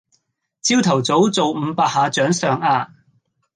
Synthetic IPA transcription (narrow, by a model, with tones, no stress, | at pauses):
t͡siː˥wt̪ʰɐ˨˩wt͡so˨˥wt͡so˨wm̩ː˨˧paː˧k̚haː˧t͡ʃœː˨˥ŋsœː˨ŋaː˧